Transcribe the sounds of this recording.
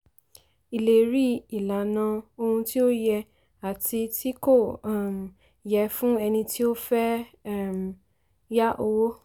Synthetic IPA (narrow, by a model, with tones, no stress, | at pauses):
i˨le˨ɾi˦i˨la˨nã˧o˧hũ˧ti˦o˦jɛ˧ | a˨ti˧ti˦ko˦˨m̩˨ | jɛ˧fũ˦ɛ˧nĩ˧ti˦o˦fɛ˦˨m˨ | ja˦ʔo˧wo˦